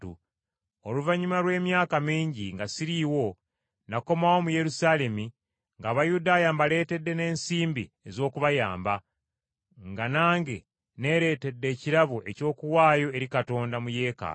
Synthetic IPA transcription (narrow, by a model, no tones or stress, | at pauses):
ṵ | oluvaɲumaɾwe̞ːmjaːkamiːɲɟiŋɡasiɾiwo̞ | nako̞mawo̞muje̞ɾusaːle̞mi | ŋɡaːβajudaːjambale̞ːte̞dːe̞ne̞ːnsiːmbḭ | e̞zo̞ːkuβajaːmba | ŋɡanaːŋɡe̞ | ne̞ːɾe̞ːte̞dːe̞ːciɾaβuʔeco̞ːkuwaːjo̞e̞ɾikato̞ːndamuje̞ːka̰